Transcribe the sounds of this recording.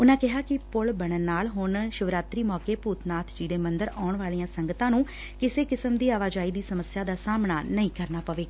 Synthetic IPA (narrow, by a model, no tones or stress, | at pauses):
ʊnãːkɪɦaːkɪpʊɭbəɳ̃ənːaːlɦʊɳʃʊʋɾaːt̪ɾiːmɔːkeːpuːt̪ʰnaːt̪ʰd͡ʒiːd̪eːmənd̪əɾaːɳʋaːlijãːsəŋɡət̪ãːnũː | kɪseːkɪsəmd̪iːaːʋaːd͡ʒaːiːd̪iːsəməsjaːd̪aːsaːmnaːnəĩːkəɾnaːpəʋeːa